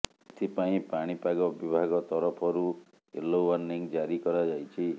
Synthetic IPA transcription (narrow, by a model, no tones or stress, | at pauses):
et̪ʰipaĩpaɽ̃ipaɡɔbibʱaɡɔt̪ɔɾɔpʰɔɾu | ḛlowanːiŋd͡ʒaɾikɔɾad͡ʒajt͡ʃʰi